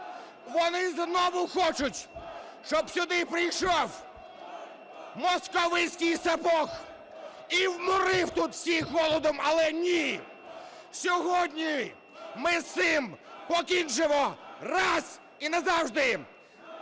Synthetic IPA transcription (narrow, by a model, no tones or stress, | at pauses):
ʋɔnɪznɔʋʊxɔt͡ʃʊtʲ | ʃt͡ʃɔbsʲʊd̪ɪpɾɪjʃɔw | mɔskɔʋɪsʲkʲɪjsɐpɔx | iwmʊɾɪwt̪ut̪sʲiɦɔlˠɔd̪ɔmɐlˠɛnʲi | sʲɔɦɔdʲnʲij | mɪsɪmpɔkʲint͡ʃɪʋɔrɑz | inɐzɑwʒd̪ɪ